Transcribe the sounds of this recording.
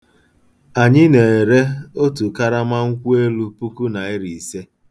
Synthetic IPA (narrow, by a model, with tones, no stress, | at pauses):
a˨ɲɪ˦ne˨e˨ɾe˦o˦tu˨ka˦ɾa˦ma˦ŋ̩˦kʷu˦e˦lu˦pu˦ku˦na˨e˦ɾi˨se˦